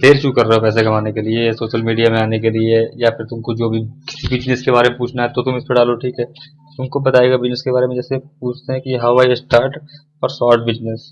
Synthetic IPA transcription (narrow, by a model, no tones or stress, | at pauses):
d̪eːɾt͡ʃuːkɐɾːɐɦopɛːs̬ekɐmaːnekeliesoːʃəlmiːɖijamẽaːnek̬eliejafɪɾt̪ʊmkod͡ʒoːbʱikɪ̥sibɪd͡ʒnəskebaːɾemẽpuːt͡ʃʰnaɦɛt̪ot̪ʊmɪspeɖaːloʈʰiːkɦɛː | t̪ʊmkobɐt̪aːeːɡabɪd͡ʒnəskebaːɾemẽd͡ʒɛːsepuːt͡ʃʰt̪eɦɛ̃kiɦɐʋaiesʈaːɾʈ | ɔːɾsɔːɾʈ̚bɪd͡ʒnəs